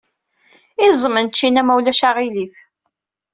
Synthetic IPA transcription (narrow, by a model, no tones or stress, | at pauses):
ɪzˤmənt͡ʃːinæmæwlæʃaʁiliθ